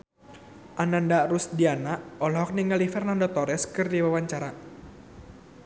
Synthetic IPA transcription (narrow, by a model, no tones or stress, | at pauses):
ʔanandarusdianaʔɔlɔɦɔk̚niŋalifɛrnandɔt̪ɔɾɛskɨrdiwawaɲt͡ʃaɾa